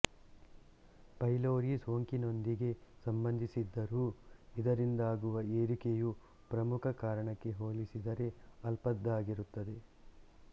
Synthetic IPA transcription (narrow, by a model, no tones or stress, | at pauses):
pɐjloːɾiso̞ːŋkino̞nd̪iɡe̞sɐmbɐnd̪ʱisid̪ːɐɾuːid̪ɐɾind̪aːɡuʋɐeːɾikeju | pɾɐmukʰɐkaːɾɐɳɐkːe̞ɦoːlisid̪ɐɾe̞ɐlpɐd̪ːaːɡiɾut̪ːɐd̪e̞